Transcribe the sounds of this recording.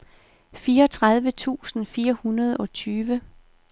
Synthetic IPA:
fiːɐɒt͡sʰʁað̞ˠʋət͡sʰṵːsn̩fiːɐhunɐð̞ˠɒ̽t͡sʰyːʋə

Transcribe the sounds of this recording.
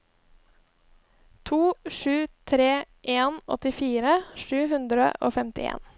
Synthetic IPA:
t̪ʰuːʃʉːt̪ʰɾeːʔeːnɔ̰t̪ɪfiːɾəʃʉːhʉnd̪ɾə̰ʔo̰ːfɛmt̪ɪḛːn

